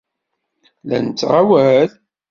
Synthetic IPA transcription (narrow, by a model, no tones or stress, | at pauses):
læ̰nt͡sːʁawæl